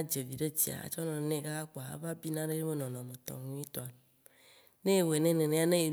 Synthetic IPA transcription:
a˦d͡ʒe˨vi˨ɖe˦t͡ɕi˨a̰˨a̰˨t͡ʃɔ˦nɔ̃˨e˨˦nẽ˦ɡa˦a˦k͡po˨a˨a̰˦va˦bi˦nã˦ɖe˦je˦me˦nɔ̃˨nɔ̃˨mẽ˨t̪ɔ̰˨ŋũ˦i˦t̪o˨a˨ | nẽ˦e˨we˨nẽ˦nẽ˨nẽ˦a˦nẽ˦je˨

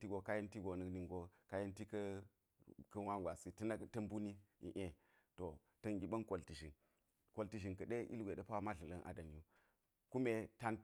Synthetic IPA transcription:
ti˦ɡo˨ka˦ji˦nti˦ɡo˨nɐ˨kni˨ŋɡo˨ka˦ji˦nti˦kɐ˦ | kɐ˦wa˦ɡʷa˨si˦tn˦tɐ˦m˦bu˦ni˦ḭ˨ʔe˨ | to˨ | tɐ˨ŋɡʲi˨ɓɐ˦nko˨lti˨ʃi˨n | ko˨lti˨ʃi˨nkɐ˨ɗe˦ʔḭ˦lɡʷe˨dɐ˦pa˦ma˦ɮɐ˨lɐ˦nʔa̰˨dɐ˨n˨ju˦ | ku˦me˦ta˦n

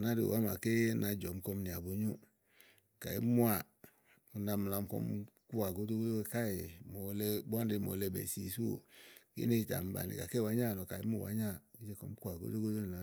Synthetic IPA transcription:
na˦ɾḭ˨o̰˨wa˦ma̰˨ke˦na˨d͡ʒɔ˨m̩˦kɔ˧˦mni˨a˨bo˨˦ɲu˦ | ka˨i˦mu˦a˨ | u˨na˧m˨la˨m˦kɔ̰˦mku˦a˨ɡo˦do˦ɡo˦o˦ka˦je˨mo˨˦le˦bɔ˦n˦di˨˦˨mo̰˨˦le˦bḛ˨si˦˨su˦o̰˨ɡḛ˦ne˦i˦ta̰˨m̩˦ba̰˨nḭ˨ka̰˨ke˦˨wa˨˦ɲa˦˨nɔ˨ka˨i˦mu˦˨a̰˨˦ɲa˦i˦d͡ʒe˦kɔ̰˦m˦ku˦a˨ɡo̰˦do˦ɡo˦do˦˨o˨

